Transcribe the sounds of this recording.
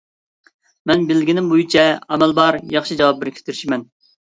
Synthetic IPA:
mɛnbɪlːɡʲinɪmbojut͡ʃʰɛɛmɛlbɑɾjɑχʃid͡ʒɑwɑp̚bɪɾkʲʰe̥t̪ʰɪɾʃimɛn

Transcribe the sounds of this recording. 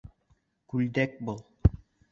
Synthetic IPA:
kʉld̪æk̚bɤlˠ

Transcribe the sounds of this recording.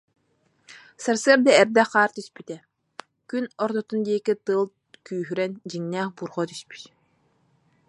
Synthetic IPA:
saɾsɯɐɾd̪aɛɾd̪ɛχaːɾt̪yspyt̪ɛ | kynɔɾt̪ɔt̪und̪iɛkit̪ɯːlˠ | kyːɦyɾɛnd͡ʑiŋnæːχbuːɾχɔt̪yspy̥t̪

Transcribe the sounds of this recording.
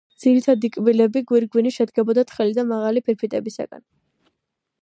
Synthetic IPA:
d̪z̥iɾit̪ʰad̪ikʼbilɛbiɡwiɾɡwiniʃɛd̪ɡɛbɔd̪at̪χɛlid̪amaʁalipʰiɾpʰit̪ʼɛbisa̰ɡ̥a̰n

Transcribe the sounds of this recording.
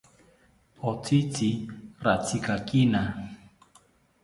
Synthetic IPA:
ɔtʰitirat͡sʰikakina

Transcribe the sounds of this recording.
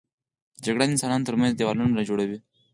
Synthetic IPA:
d͡ʒaɡɽaɪnsɑnɑnot̪əɾmãnzd̪ewalunɾad͡ʒoɽawi

